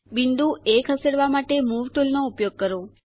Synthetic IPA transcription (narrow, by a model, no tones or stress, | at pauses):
biɳɖ̪ũʔekʰəseɽʋamaʈemuʋʈulnoupjoɡ̚kəɾo